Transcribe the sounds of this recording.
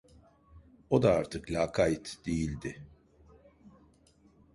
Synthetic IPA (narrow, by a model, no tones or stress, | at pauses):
o̞d̪aaɾt̪ʰɯklʲaːkʰajt̪d̪̥ejilʲd̪ɪ